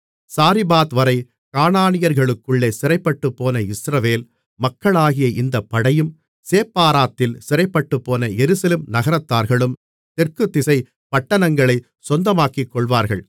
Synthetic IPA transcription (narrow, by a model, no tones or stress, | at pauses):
saːɾɪbaːt̪ʋɐɾɐɪ | kaːnaːnɪjɐɾɣɐɭɯkːɯɭːeːsɪɾɐɪpːɐʈːɯpːoːnɐɪsɾɐʋeːl | mɐkːɐɭaːɣɪjɐʔɪnd̪ɐpːɐɽɐjɯm | seːpːaːɾaːt̪ːɪlsɪɾɐɪpːɐʈːɯpːoːnɐjɛɾɯsɐleːmnɐɣɐɾɐt̪ːaːɾɣɐɭɯm | t̪ɪrkɯt̪ːɪsɐɪ | pɐʈːɐnɐŋɡɐɭɐɪ | sɔnd̪ɐmaːkɪkːɔɭʋaːɾɣɐ̰ɭ